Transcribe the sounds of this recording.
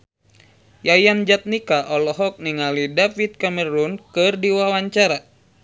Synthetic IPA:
jajand͡ʒat̪̚nikaʔɔlɔɦɔk̚niŋalidafit̪̚kaməɾunkɨrdiwawaɲt͡ʃaɾa

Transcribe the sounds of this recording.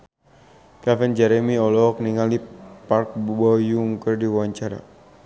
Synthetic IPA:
kafɛnd͡ʒɛɾɛmiɔlɔɔk̚niŋalipark̚bɔjuŋkərdiuwaɲt͡ʃaɾa̰

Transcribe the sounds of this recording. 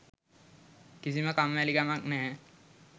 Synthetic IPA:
kisiməkamʋælikamaknɛː

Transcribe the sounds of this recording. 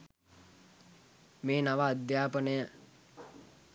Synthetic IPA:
meːnaʋaːd̪jaːpənəjə

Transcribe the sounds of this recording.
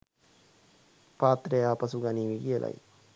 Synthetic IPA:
paːt̪ɾəjaːpɐsuɡaniːʋiɡijəlʔa̰j

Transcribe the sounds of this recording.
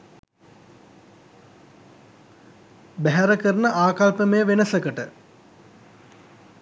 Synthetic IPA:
bæɦæɾəkəɾənəʔaːkalpəməjəʋenəsəkəʈə

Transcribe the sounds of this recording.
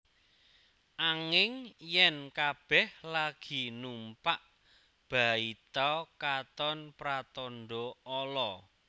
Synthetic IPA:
ʔaŋɪŋjɛnkab̥ɛhlaɡ̥i̤numpaʔ | b̥a̤it̪ɔkat̪ɔnpɾat̪ɔnɖɔɔlɔ

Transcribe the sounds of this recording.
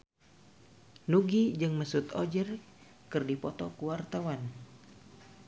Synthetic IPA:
nuɡid͡ʒɨŋməsut̪ɔd͡ʒər | kɨrdipɔt̪ɔkuwart̪awan

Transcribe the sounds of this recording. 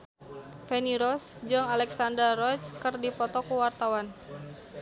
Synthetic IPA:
fɛniɾɔsd͡ʒɨŋalɛksandərɔskərdipɔt̪ɔkuwart̪awan

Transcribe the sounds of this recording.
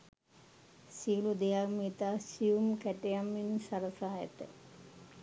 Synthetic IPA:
siulud̪ejakmit̪aːsiumkæʈejamːinsɐɾəsaːjɐ̰t̪ə̰

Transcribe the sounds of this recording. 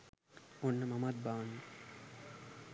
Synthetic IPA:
onːəmɐmɐd̪̚baːnː

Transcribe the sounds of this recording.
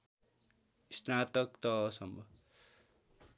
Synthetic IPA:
ist̪nat̪ʌkt̪ʌsʌmbʱʌ

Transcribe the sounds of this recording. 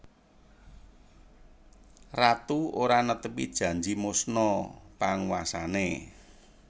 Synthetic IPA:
rat̪uoɾanət̪əpid̥ʒ̥ä̤ɲd͡ʒimosnɔpaŋwasane

